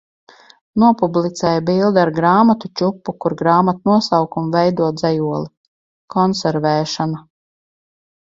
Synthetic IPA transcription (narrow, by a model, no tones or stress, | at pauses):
nuɔpublˠit̪sɛːjabilˠd̪iaɾɡɾaːmat̪ut͡ʃupːukuɾɡɾaːmat̪nuɔsawkumvɛjd̪uɔd̪zɛjuɔlˠi | kɔnsɛɾvɛːʃana